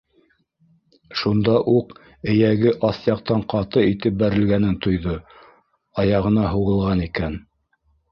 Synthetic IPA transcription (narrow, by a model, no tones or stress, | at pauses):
ʃund̪ɑʔuq | ɘ̆jæɡɘʔɑθjɑq̚t̪ɑɴqɑt̪ɤit̪ɘp̚bæɾɘ̆lɡænɘnt̪ŏjðo | ɑjɑʁɤ̆nɑɦuʁɤ̆lˠʁɑnikæn